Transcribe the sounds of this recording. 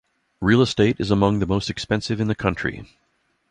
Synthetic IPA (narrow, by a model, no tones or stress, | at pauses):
ɹilˠəsteɪɾɨzəmʌ̃ŋðɨmoʊstɨkspɛ̃nsɨvɨ̃nðɨkʰʌ̃nt͡ʃɹ̥ḭ